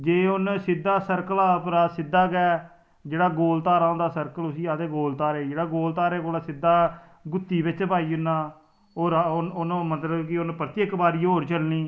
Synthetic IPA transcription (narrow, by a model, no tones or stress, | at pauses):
d͡ʒeːʊnsɪd̪ːaːsəɾkəlaːpɾaːsɪd̪ːaːkɛː | d͡ʒeːɽaːɡoːlt̪aːɾaːõːnd̪aːsəɾkəlʊsiːaːt̪eːɡoːlt̪aːɾeːd͡ʒeːɽaːɡoːlt̪aːɾeːkoːlaːsɪd̪ːaː | ɡʊt̪ːiːbɪt͡ʃbaːiːʊnːaː | oːɾnʊnmət̪ləbkɪʊnpɾət̪jəkbaːɾiːɦoːɾt͡ʃəlniː